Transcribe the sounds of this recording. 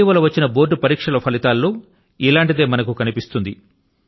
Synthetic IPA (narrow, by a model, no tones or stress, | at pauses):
iːʋɐlɐʋɐt͡ʃːinɐboːʈːupɐɾiːkʂɐlɐpʰɐlit̪aːlːuː | ilaːɳʈid̪e̞ːmɐnɐkukɐnipist̪und̪i